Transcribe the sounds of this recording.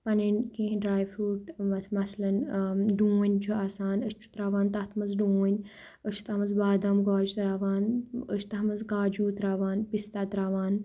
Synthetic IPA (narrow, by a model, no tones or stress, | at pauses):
pɐninkẽːɦɖɾaːjfɾuːʈmɐt̪ʰmɐsɐlɐnɖũːnʲt͡ʃʰuaːsaːnəst͡ʃʰu̥t̪ɾaːʋaːnt̪ɐt̪ʰmɐzɖũːnʲ | ət͡ʃʰu̥t̪ɐɦɐmɐzbaːd̪ɐmɡaːd͡ʒut̪ɾaːʋaːnət͡ʃʰt̪ɐɦɐmɐzkaːd͡ʒuːt̪ɾaːʋaːnpist̪aːt̪ɾaːʋaːn